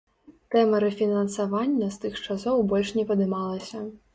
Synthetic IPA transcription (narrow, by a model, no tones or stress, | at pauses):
t̪ɛmɐɾɛfʲinɐnsɐʋɑnʲːɐst̪ɨxt͡ʂasɔwbɔlʲʂnʲɛpɐd̪ɪmɑlˠɐsʲɐ